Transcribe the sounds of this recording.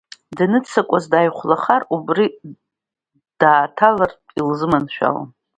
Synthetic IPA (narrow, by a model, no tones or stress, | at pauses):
danɨt͡sʰakʷʼazdajχʷlaχarubri | d̥aːtʰalartʼilzɨmanʃᶣa̰la̰n